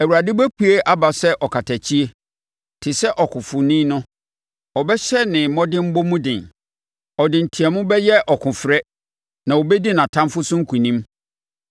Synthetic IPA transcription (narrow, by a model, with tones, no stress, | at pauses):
æ˨wu˨ɾa˨dɪ˦bæ˦kʰu˦e˦ʔa˦ba˨sɛ˦ʔɔ˨kʰa˨tʰa˨t͡ɕʰi˦e˦ | tʰɪ˨sɛ˦ʔɔ˨kʰʊ̃˨fʊ˨nĩ˦nʊ̃˦ | ɔ˨bɛ˦ɕɛ˦nɪ̃˨mɔ̃˦dɪ̃˦m̩˦bo˦mũ˦dɪ̃˨n | ɔ˨dɪ̃˨n̩˨tʰi˨ɛ˨mʊ̃˦bɛ˦jɛ˦ʔɔ˨kʰʊ̃˨fɾɛ˦ | nã˨wo˨bɛ˦di˦nã˨tʰã˦mfʊ˦sʊ̃˦ŋ̩˦kʰu˨nĩ˦m